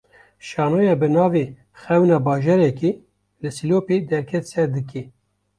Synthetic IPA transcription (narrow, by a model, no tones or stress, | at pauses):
ʃɑːnojɛbɨnɑːve | xɛwnɑːbɑːʒɛɾɛki | lɨsiloːped̪ɛɾkʰɛt̪sɛɾd̪ɨke